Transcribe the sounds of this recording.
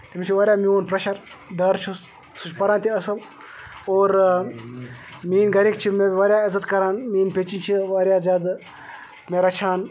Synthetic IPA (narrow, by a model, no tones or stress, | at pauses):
t̪imʲit͡ʃʰiʋɐɾʲjaːmioːnpɾɐʃɐɾ | ɖɐɾt͡ʃʰus | sut͡ʃpɐɾãːnt̪iɐsɨl | oːɾ | miːnɡɐɾik̚t͡ʃʰimebʲʋɐɾjaːɪzɐt̪kɐɾaːnmiːnpeːt͡ʃint͡ʃʰiʋɐɾʲjaːzʲaːd̪ | meɾɐt͡ʃʰaːn